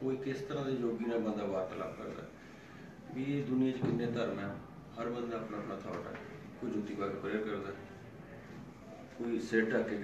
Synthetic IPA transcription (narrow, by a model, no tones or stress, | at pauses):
koːiːkɪst̪əɾãːd̪eːd͡ʒoːɡiːnãːbə̃nd̪aːbaːɾt̪əla̰ːpkə̰ɾd̪a̰ː | ʋiːd̪ʊnɪjãːt͡ʃkɪnːẽːt̪əɾnɛː | həɾbənaːpnãːpnaːt̪ʰaːʈa̰ː | koːid͡ʒut̪ːiːkaːɡəɾpɾeːɾkəɾd̪aː | koːiːseːʈəkeː